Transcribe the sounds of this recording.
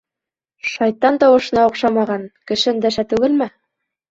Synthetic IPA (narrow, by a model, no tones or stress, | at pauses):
ʃɑjt̪ːɑnt̪ɑwɤ̆ʃɤ̆nɑŏqʃɑmɑʁɑnkɘ̆ʃɘnd̪æʃæt̪ʉɡɘlmæ